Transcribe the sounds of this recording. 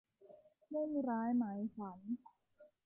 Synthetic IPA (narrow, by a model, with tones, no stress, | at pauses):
mɯ˥˩ŋɾaː˦˥jma˨˦jfa˩˦n